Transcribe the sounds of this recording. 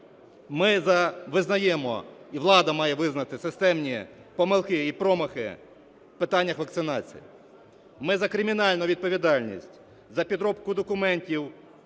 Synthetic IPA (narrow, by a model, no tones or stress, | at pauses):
mɪzɐʋɪznɐjɛmɔ̰iʋlˠɑd̪ɐmɑjɛʋɪznɐt̪ɪsɪst̪ɛmnʲipɔmɪlˠkɪipɾɔmɐxɪ̰ | wpɪt̪ɑnʲːɐxʋɐk̚t̪sɪnɑt͡sʲḭj̰ | mɪzɐkɾɪmʲinɑlʲnʊʋʲid̪̚pɔʋʲid̪ɑlʲnʲḭsʲtʲ | zɐpʲid̪ɾɔbkʊd̪ɔkʊmɛnʲtʲiw